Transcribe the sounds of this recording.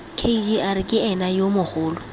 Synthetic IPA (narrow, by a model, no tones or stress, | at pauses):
kʰeid͡ʒiʔaɾɪkʼɪɛnajomʊχʊːlʊ